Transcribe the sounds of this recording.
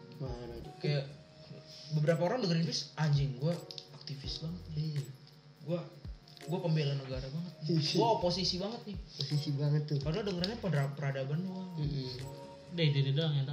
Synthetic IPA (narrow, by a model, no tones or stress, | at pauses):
maɾkajaʔ | bəbəɾapaoɾaŋdəŋəɾinfɪsʔaɲd͡ʒɪŋɡuaak̚t̪ifɪsbaŋət̪̚n | ɡua | ɡuakəmbelanəɡaɾabaŋət̪̚nɪɡuaoposisibaŋət̪̚nɪposisibaŋət̪ːʊkadəladəŋəɾanɲapədapəɾadabanuaŋ̩ | dait̪ididaŋjat̪a